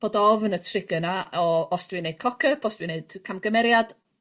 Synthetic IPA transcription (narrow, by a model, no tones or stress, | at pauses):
b̥oːdɔvənətʰrɪɡənaɔɔsd̥vined̥̚kʰɔkʰəpʰɔstvineɨd̥kʰamɡəmɛɾjad̥